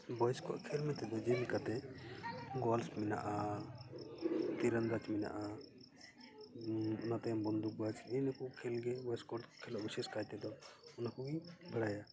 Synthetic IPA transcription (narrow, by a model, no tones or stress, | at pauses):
bɔjskɔʔkʰɛlmɛt̪ɛd̪ɔd͡ʒɛmikat̪ɛ | ɡɔlsmɛna̰ʔa | t̪iɾənɾat͡ʃmɛna̰ʔa | ɔnat̪ajambɔnd̪uk̚bat͡ʃɛnɛkɔkʰɛlɡɛbɔjskɔʈkʰɛlɔʔbisɛskajt̪ɛd̪ɔɔnakɔɡibʱəɽaja